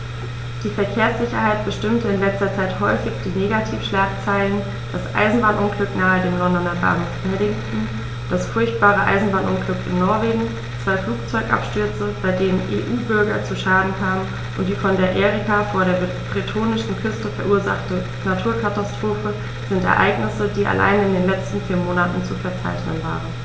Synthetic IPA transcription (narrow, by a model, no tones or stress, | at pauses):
d̥iːfɛɐkʰeːɐsz̥ɪçɐɦaɪt̚b̥əʃtɪmtəɪnlɛt͡stɐt͡saɪthɔʏfɪçd̥iːneːɡatʰiːfʃlaːk̚t͡saɪlən | d̥asʔa̰ɪzn̩baːnʔʊnɡlʏknaːədeːmlɔndɔnɐda̰ː | ɛɐdɪŋtn̩ | d̥asfʊɐçt̚b̥aːʁəʔa̰ɪzn̩baːnʔʊnɡlʏkɪ̰nːɔɐveːɡŋ̩ | t͡sv̥aɪfluːk̚t͡sɔʏɡʔa̰pʃtʏɐt͡səb̥aɪdeːnənʔḛːʔuːbʏɐɡɐt͡suʃaːdn̩kʰaːmən | ʔʊnt̚d̥iːfɔndeːɐʔeːʁikafoːɐɾeːɐ | b̥ʁitʰoːnɪʃn̩kʰʏstəfɛɐʔuːɐza̰χtə | natʰuːɐkʰatastʁ̥oːfə | z̥ɪntɛ̰ɐʔa̰ɪɡnɪsədiːʔa̰lʔa̰ɪnəɪndeːnlɛt͡stn̩fiːɐmoːnatn̩t͡sufɛɐt͡sa̰ɪçnənva̰ːʁən